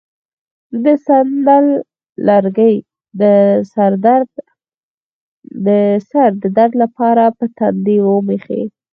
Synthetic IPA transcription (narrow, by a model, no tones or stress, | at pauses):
d̪əsand̪alː | aɾɡəj | d̪əsaɾd̪aɾd̪ | d̪əsaɾd̪əd̪aɾd̪lapɑɾapət̪and̪iwomexḛ